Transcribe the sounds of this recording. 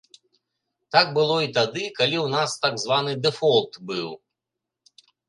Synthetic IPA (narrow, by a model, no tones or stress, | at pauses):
t̪aɡ̚bɨlˠɔit̪ad̪ɨkalʲiwnast̪aɡzvanɨd̪ɛfɔlˠt̪bɨw